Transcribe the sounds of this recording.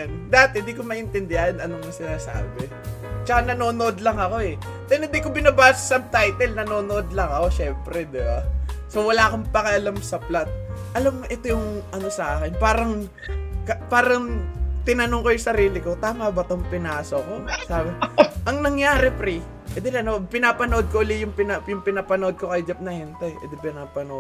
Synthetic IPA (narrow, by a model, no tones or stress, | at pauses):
nd̪at̪ɪnd̪ikomɐʔɪnt̪ɛnd̪ɛanɐnomnɐsɪnaːsa̰ːbɛ | t͡ʃɐkanɐno̞ːnoʔod̪lɐŋɐko̞ɛ | t̪ɛnɪnd̪ikobɪnabaːssɐmt̪ajt̪ɛlnɐno̞ːnoʔod̪lɐŋɐko̞ʃɛmpɾɛd̪ɪbasowɐlaːkompɐkɐʔɐlamsɐplat̪̚ʔɐlamʔɛt̪ojʊŋʔɐno̞sɐʔaːkɪnpaːɾɐŋ | kɐpaːɾɐŋt̪ɪnɐnoŋkojʊŋsɐɾiːlɪko̞t̪aːmɐbɐt̪oŋpɪnaːsokosaːbʔɐŋnɐŋjaːɾɛpɾi | ʔɛd̪ɛlɐnopɪnapɐnoʔod̪̚koʔʊlɪjʊŋpɪnajʊŋpɪnapɐnoʔo̞d̪̚ko̞kɐjd͡ʒɐp̚nɐhɛnt̪ɐjʔɛ̰d̪ɪpɪnapɐno